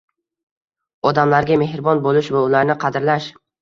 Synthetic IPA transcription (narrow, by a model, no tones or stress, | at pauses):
ɒd̪amlaɾɡʲame̞hɾbɒnbolɪʃmʊʊlaɾnɪqʰɑd̪ɾlaʃ